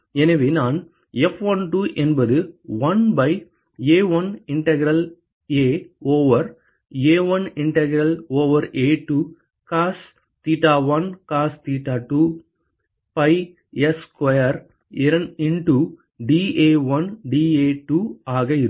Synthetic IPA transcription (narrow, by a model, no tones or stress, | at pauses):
ɛnɐʋeːnaːn | ɛfʋɐnʈuːʔɛnbɐðɯʋɐnbɐɪ | eːʋɐnɪɳʈɐɡɾɐl | eːoːʋɐɾ | eːʋɐnɪɳʈɐɡɾɐloːʋɐɾeːʈːuː | kaːs | t̪iːʈːaːʋɐnkaːst̪iːʈːaːʈuː | pɐɪ | ɛskʋɐjɐɾ | ɪɾɐnɪnʈu | ɖiːeːʋɐnɖiːeːʈuaːɣɐɪɾɯ